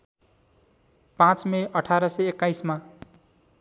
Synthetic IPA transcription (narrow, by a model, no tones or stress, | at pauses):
pãt͡smeʔʌʈʰaɾʌseekːajsma